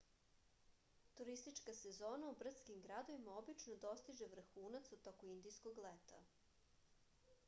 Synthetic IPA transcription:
t̪uɾist̪it͡ʃkasezoːnaubr̩t̪skimɡɾad̪o̞ʋimaobit͡ʃnod̪o̞st̪iʒe̞ʋr̩xuːnat̪sut̪okoind̪ijskoɡlet̪a̰

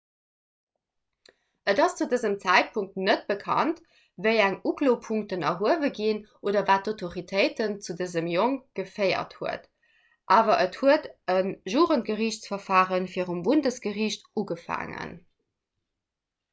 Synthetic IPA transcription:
ədɑst͡sudəzəmt͡sæɪt̚pʰuŋk̚tnət̚b̥əkʰɑ̰nt | vəɪæŋukloːpʰuŋk̚tənɐɦuəvəɡinʔoːdɐvaːt̚dotʰoʁitʰəɪtənt͡sudəzəmjoŋɡ̥əfɜɪɐ̰thuət | ʔaːvɐʔəthuətənʒuːʁəntɡ̥əʁiɕt͡sfɐfaːʁənfiːəʁumbundəsɡ̥əʁiːɕtʔuɡəfa̰ːŋə̰n

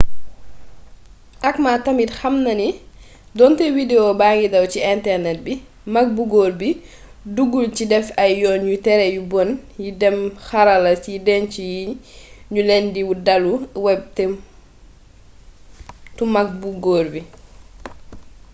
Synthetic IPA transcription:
ʔakmaːtamitxɐmnɐni | dɔntɛwideobaŋɡidɐwciɛntɛɾnɛt̚bi | mak̚buɡoɾbi | duɡulcidɛfɐjjɔːɲutɛɾɛjubɔnjidɛmxaɾalɐsjidɛncijiɲulɛndiwudaluwɛb̚tɛm | tumak̚buɡoːɾbi

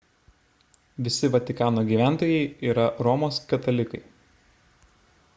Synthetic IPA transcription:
ʋʲɪsʲɪʋɐt̪ʲɪkɑːnoːɡʲiːʋʲæˑnt̪oːjɛɪiːɾɐɾɔmoːskʲɐt̪ɐlʲɪkɐɪ

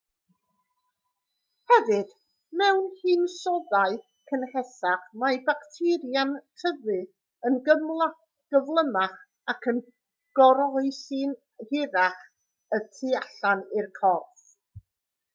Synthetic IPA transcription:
hɛvɨd̥ | mɛwnhɨːnsɔðaɨ | kʰənhɛsaχmajbaktʰɪɾjantʰəvɨ | ənɡəml | ɡ̥əvlˠəmaχ | akʰən | ɡ̥ɔɾɔɨsɨn | hɪɾaχ | ətʰɨaɬanɪrkʰɔrθ

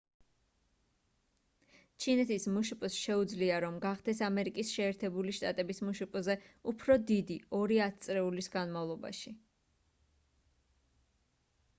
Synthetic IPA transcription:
t͡ʃʰinɛt̪ʰismuʃupʼsʃɛud̪zliaɾɔmɡaχd̪ʰɛsamɛɾikʼisʃɛːɾt̪ʰɛbuliʃt̪ʼat̪ʼɛbismuʃupʼzɛupʰɾɔd̪id̪iɔɾiat̪̚ʰt̪sʼɾɛulisɡanmavlˠɔba̰ʃi

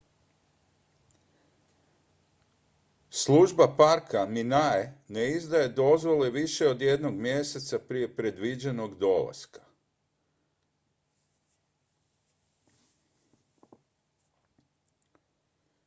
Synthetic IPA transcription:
slˠuʒbapaɾkaminaeneizd̪aje̞d̪o̞zʋo̞leʋiʃe̞o̞d̪je̞d̪noɡmjese̞t̪sapɾije̞pɾe̞d̪ʋid͡ʑe̞no̞ɡd̪o̞la̰skḁ

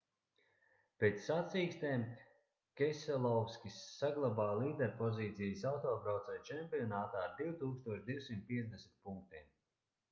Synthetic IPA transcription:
peːt̪sːat̪siːkst̪eːm | kʲɛsɛlˠɔwskʲisːaɡlˠabaːlˠiːd̪ɛɾpɔziːt̪sijəsawt̪oːpɾawt̪sɛjt͡ʃɛmpʲiɔnaːt̪aːɾd̪iwt̪uːkst̪uɔʃd̪iwsimt̪̚piɛt̪zd̪esmʲit̪̚puŋk̚t̪iɛm

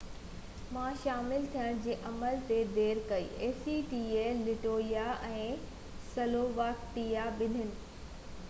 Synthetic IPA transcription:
mãːʃaːmɪlt̪ʰijə̃ɽ̃d͡ʑeːʔɐməlt̪ed̪eːɾkɐḭːʔeːsiʈiːeːlɪʈoːijaɛ̃ː | sɐloːʋaːkʈijaɓɪnʱɪnɪ̆

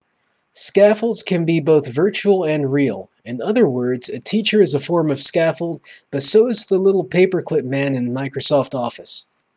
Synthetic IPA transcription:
skæfl̩ˠdz̥kʰɨ̃nbiboʊθvɜ˞t͡ʃul̩ˠɨ̃nɹilˠ | ɨ̃nʌðə˞wɜ˞dzɨtʰit͡ʃə˞ɨzəfɔɹmʌv̥skæfl̩ˠd̚b̥ʌtsoʊzðəlɪɾl̩ˠpʰeɪpə˞kʰl̥ɪp̚mæ̃nɨ̃nmaɪkɹosɔftɔfɨs

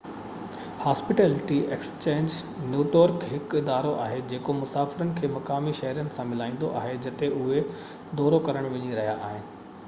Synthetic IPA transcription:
haːspɪʈeːlɪʈiʔeːkst͡ɕẽːɲd͡ʑ | njuːʈjəɾkɦɪkɪd̪aːɾoʔa̰ːɦed͡ʑeːkomʊsaːfɪɾənɪ̆kʰeːmɐkaːmiʃɐɦɾijənɪ̆sãmɪlaːĩːn̆d̪oʔa̰ːɦed͡ʑɐt̪eʔʊɦe | d̪ɔːɾokɐɾəɽ̃ʋɐ̃ɲiɾɐɦijaʔaːɦɪnɪ̆

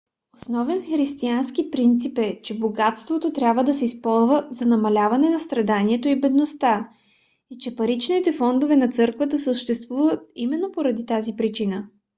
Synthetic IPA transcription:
osnɔvɛnxɾist̪ianskipɾint̪sipɛt͡ʃɛboɡat̪st̪vot̪ot̪ɾʲjabvəd̪ɐsɛispɔlˠzvəzɐnɐmɐlʲavɐnɛnɐst̪ɾɐd̪aniɛt̪oibɛd̪nost̪a | it͡ʃɛpɐɾit͡ʃnit̪ɛfɔnd̪ovɛnɐt̪sɤɾkvət̪əsəʃt̪ɛst̪vuvət̪̚imɛnːopoɾɐd̪it̪azipɾit͡ʃinə

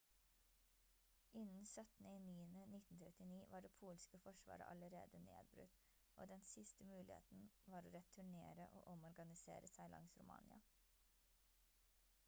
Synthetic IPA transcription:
ʔɪnn̩sœt̪n̩əɪniːənənɪt̪n̩t̪ʰɾɛt̪ɪniːʋɑːɖeːpʰuːlskəfɔʂʋɑ̰ːɾə̰ʔɑləɾḛːd̪ənḛːd̪̚bɾʉ̰t̪ | ʔoːd̪ɛnsɪst̪əmʉːlʔɪḛːt̪n̩ʋɑːɾoːɾɛt̪ʰːʉɳḛːɾəʔo̰ːʔɔmɔɾɡɑnɪsḛːɾəsæɪlʔɑ̰ŋsɾʊmɑ̰ːnɪɑ

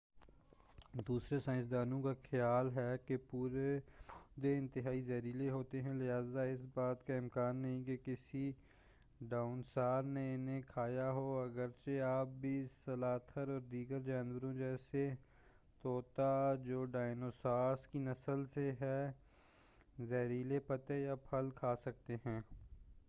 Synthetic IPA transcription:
d̪uːsɾesãːɪ̃sd̪aːnõkaxɪjaːlɦɛːkepuːɾed̪eɪ̃nt̪ɪɦaːizɐɾiːleɦoːt̪eɦɛ̃lɪɦaːzaɪsbaːt̪kaɪmkaːnːɐɦĩkekɪsi | ɖaːʊnsaːɾneɪnẽkʰaːjaɦoːɐɡəɾt͡ʃeaːp̚bʱisɐlaːt̪ʰəɾɔːɾd̪iːɡəɾd͡ʒaːnwəɾõd͡ʒɛːse | t̪oːt̪ad͡ʒoːɖaːɪnoːsaːskinɐsəlseɦɛː | zɛːɾiːlepɐt̪ejapʰɐlkʰaːsɐk̚t̪eɦɛ̃ː

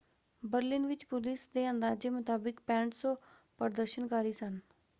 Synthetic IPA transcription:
bəɾlɪnʋɪt͡ʃpʊlɪsd̪eːə̃nd̪aːd͡ʒeːmʊt̪aːbɪkpɛ̃ːɳʈsõː | pəɾd̪əɾʃənkaːɾiːsən

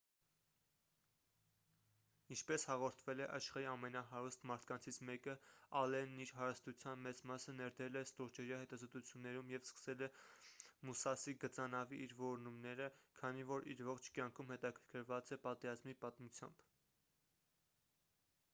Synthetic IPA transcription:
int͡ʃʰpɛshɑʁɔɾt̪ʰvɛlɛʔɑʃχɑɾiɑmɛnɑɦɑɾust̪mɑɾt̪ʰkɑnt͡sʰit͡sʰmɛkəɑlɛnːiɾɦɑɾəst̪ut͡sʰjɑnmɛt͡smɑsənɛɾd̪əɾɛlɛst̪ɔʁt͡ʃɛɾjɑhɛt̪ɑzɔt̪ut͡sʰjunːɛɾumjɛvskə̥sɛlɛ | musɑsiɡət͡sɑnɑviʔiɾvɔɾnumnɛɾəkʰɑnivɔɾiɾvɔχt͡ʃʰkjɑŋkʰumhɛt̪ɑkʰəɾkʰəɾvɑt͡sɛpɑt̪ɛɾɑzmipɑt̪mut͡sʰjɑ̰mb̥

